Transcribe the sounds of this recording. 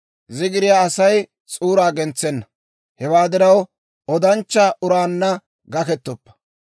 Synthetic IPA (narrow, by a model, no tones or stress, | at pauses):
zɪɡɪɾɪjaːɐsɐj | t͡sʼuːɾaːɡɛnt͡sːɛnːɐ | hɛwaːd̪ɪɾɐw | ɔd̪ɐnt͡ʃːɐʔʊɾaːnːɐ | ɡɐkɛt̪ːɔpːɐ̥